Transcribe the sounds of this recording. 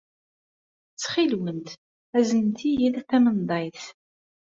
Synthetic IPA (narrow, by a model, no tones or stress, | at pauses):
t͡sːχilwənt̪ | æzənt̪ijiðæθæmənd̪ˤɑjθ